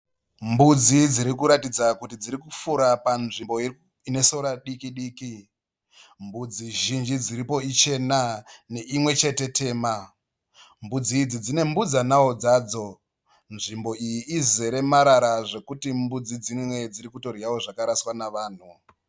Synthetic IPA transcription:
mbud͡zid͡ziɾikuɾatid͡zakutid͡ziɾikufuɾapanʐimbo̞i | ine̞so̞ɾaɗikiɗiːki | mbud͡ziʒind͡ʒid͡ziɾipo̞it͡ʃe̞nane̞ʔimwe̞t͡ʃe̞te̞tʰe̞ːma | mbud͡zid͡zid͡zine̞mbud͡zanaod͡zaːd͡zo̞ | nʐimbo̞ijiːzeɾe̞maɾaɾaʐe̞kutimbud͡zid͡zimwe̞d͡ziɾikuto̞rjawo̞ʐakaɾaswanaʋaːn̤u

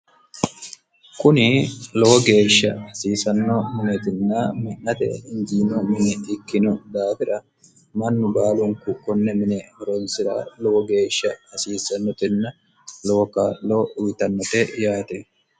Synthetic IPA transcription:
kʊnɪlɔwɔɡe̞ːʃːɐɐsiːsɐnːɔmɪnɛt̪ɪnːaːmɐnːɐt̪ɛ̰ɪnd͡ʒiːnɔmɪnɛɪkːɪnɔd̪aːfɪᶑɐ | mɐnːʊbaːlʊŋkʊkːɔnːɛmɪnɛhɔɾonsɪɾa̰ːlɔwɔɡe̞ːʃːɐɐsiːsɐnːɔt̪ɪnːɐ | loɔkaːlːoːʊwɪt̪ɐnːɔt̪ejaːt̪ɛ

